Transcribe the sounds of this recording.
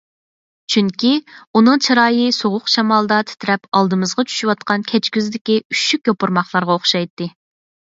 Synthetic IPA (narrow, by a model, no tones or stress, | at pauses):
t͡ʃʰyŋkʲiunɨŋt͡ʃʰiɾɑːjɨsoʁʊqʃɑmɑlˠd̪ɑt̪ʰɪ̥t̪ʰɪɾɛpɑlˠd̪ɨmɨzʁɑt͡ʃʰy̥ʃywɑt̪̚qɑnkʲʰɛt͡ʃkʲyzd̪ɪkʲiyʃykʲjopʊɾmɑχlˠɑɾʁɑoχʃɑjt̪ːɨ